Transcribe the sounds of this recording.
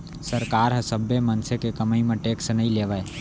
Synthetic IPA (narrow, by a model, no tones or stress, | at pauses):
səɾkaːɾɦɐsəbemənsekekəməimẽʈeːksenəĩleːʋae